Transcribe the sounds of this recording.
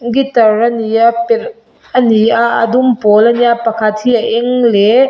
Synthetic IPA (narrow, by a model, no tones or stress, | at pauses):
ɡitɐɾɐnijɐpeɾ | ɐniaɐ̰dumpɔlɐnijapɐkʰatʰiaʔeŋle